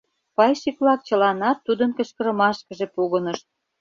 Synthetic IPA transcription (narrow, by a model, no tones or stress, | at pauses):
pɑjʃiklɑk̚t͡ɕə̆lɑnɑt̪ːud̪ənkə̆t͡ɕkə̆ɾə̆mɑʃkə̆ʒepuɣənəʃt̪̚